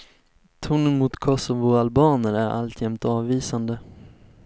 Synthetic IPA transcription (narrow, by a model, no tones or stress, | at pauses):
t̪ʰuːnənmʊt̪kʰɔsɔvʊalbɑːnəɾæɾʔa̰lt̪ʰjɛmt̪ɑːvviːsand̪ə